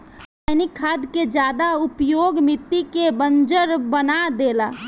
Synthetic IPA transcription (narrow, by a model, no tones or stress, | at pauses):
anikʰːaːd̪ked͡ʒjaːd̪aʊpjoːɡmɪt̪ːikebənd͡ʒəɾbənad̪eːla